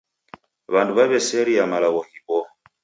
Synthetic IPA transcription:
βanduβaβɛsɛɾiamalaβɔhibɔ

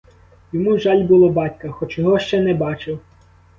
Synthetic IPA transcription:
jɔmuʒɑlʲbulˠɔbɑtʲkɐxɔt͡ʃjɔɦɔʃt͡ʃɛnɛbɑt͡ʃɪw

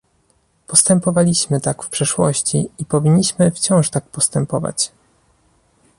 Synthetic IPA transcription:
pɔst̪ɛmpɔvalʲiɕmɘt̪akfpʂɛʂwɔɕt͡ɕiːpɔvʲiɲːiɕmɘft͡ɕɔ̃w̃ʂt̪ak̚pɔst̪ɛmpɔva̰t͡ɕ

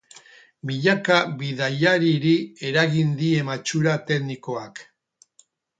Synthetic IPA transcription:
miʎakaβiðajaɾiɾie̞ɾaɣind̪ie̞mat͡ʃuɾat̪e̞ɡniko̞ak

